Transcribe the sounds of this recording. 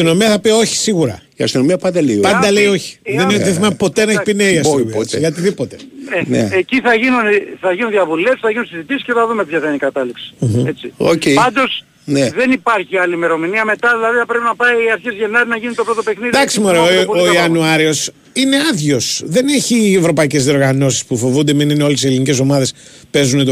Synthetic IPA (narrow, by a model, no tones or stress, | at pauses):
sst̪ino̞miɐθɐpio̞çi̥siɣuɾɐ̰iɐ̰st̪ino̞miɐpɐnd̪ɐleiopɐd̪ɐle̞io̞çi̥ðeniðeθimɐpo̞t̪eneçpineiɐsiuiʝɐt̪iðipo̞t̪e̞enḛeciθɐʝinunθɐʝinunðiɐvule̞fsi̥sθɐʝinunsizit̪isi̥sceɐðumepçɐθɐinikɐt̪ɐliksi̥m̩et͡sio̰cejpɐnd̪o̞s | neðe̞nipɐɾçiɐliːme̞ɾo̞miniɐme̞t̪ɐðilɐðiθɐpɾepinɐpɐiɐɾçezʝe̞nɐɾinɐʝinunt̪opɾo̞t̪ope̞xniðid̪ɐksimoɾeooiɐnuɐɾio̞s | ine̞ɐðʝo̞sðe̞neçievɾo̞pɐice̞zðio̞ɾɣɐno̞si̥spufo̞vund̪eminineo̞lesielinice̞so̞mɐðe̞spe̞zunet̪o